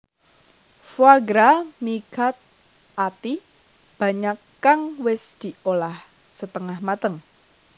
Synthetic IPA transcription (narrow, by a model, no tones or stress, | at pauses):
fwaɡɾamiɡa̤t̪̚ | at̪i | b̥a̤ɲakː | aŋwɪsd̪̥i̤olah | sət̪əŋahmat̪əŋ